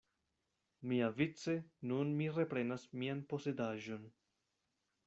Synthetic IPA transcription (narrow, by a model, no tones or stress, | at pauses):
miavit͡se̞nunmiɾe̞pɾe̞nasmianpo̞se̞daʒo̞n